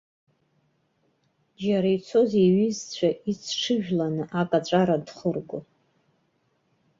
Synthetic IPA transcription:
d͡ʒaɾajt͡sʰo̞zeɥizt͡ɕʷʰaʔit͡sʰʈ͡ʂʰɨʒᶣlanɨʔakʼat͡ʃʷʼaɾadχərɡʷʊ

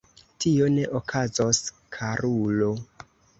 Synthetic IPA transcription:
tio̞ne̞ʔokʰazos | kʰaɾulo̞

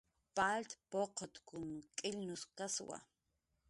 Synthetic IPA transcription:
palt̪poqʰot̪kʊnkʼɪlnʊskaswa̰

